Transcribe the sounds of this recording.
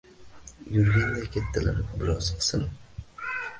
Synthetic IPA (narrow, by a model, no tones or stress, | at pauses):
jʊɾɡʲand̪akʲʰet̪ʰːala̰ɾɪbɪɾɒz̥sɪn